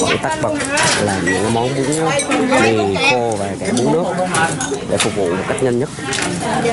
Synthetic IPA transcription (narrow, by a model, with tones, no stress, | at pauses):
kə̰˧˩jt̪aː˦˥k̚ɓə˨˩k͡p̚laː˨˩ɲɨ̰˧˥ŋkmɔ˨˦nɓu˨˦əŋ˧˦mi˨˩ko˧vaː˨˩kaː˧˩ɓu˨˦ŋnɨ˦˥ək̚ɗḛ˧˩fʊ˨˩k͡p̚vṵ˧˨mə˨˩t̚ka˦˥k̚ɲə˧nɲə˦˥t̚